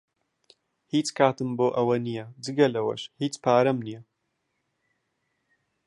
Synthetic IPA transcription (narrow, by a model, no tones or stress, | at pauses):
hiːt͡skʰaːt̪ɨmboːʔɐwɐnijɛd͡ʒɨɡɐlɐwɐ̰ʃhiːt͡spʰaːɾɐmnijɛ